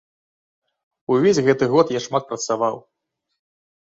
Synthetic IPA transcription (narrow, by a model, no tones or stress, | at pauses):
uvʲesʲɣɛt̪ɨɣɔt̪jaʂmat̪̚pɾɐt̪savaw